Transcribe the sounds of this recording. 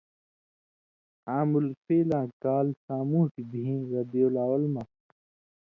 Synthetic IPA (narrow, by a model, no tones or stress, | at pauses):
aːmulfeːlãːkaːlsãːmũhʈibʱiĩɣɐd̪ijolaːwɐlmɐ